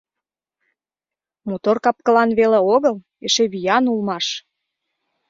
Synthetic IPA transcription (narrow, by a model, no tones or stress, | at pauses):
mot̪orkɑp̚kəlɑnβeleoɣəl | eʃeβijɑnulmɑʃ